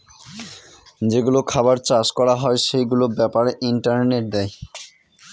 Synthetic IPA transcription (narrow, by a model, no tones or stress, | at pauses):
d͡ʑeɡulokʰabaɾt͡ɕad͡ʑkɔɾaɦɔeʃejɡulobɛpaɾeʔiɳʈaɾneʈ̚d̪ɛj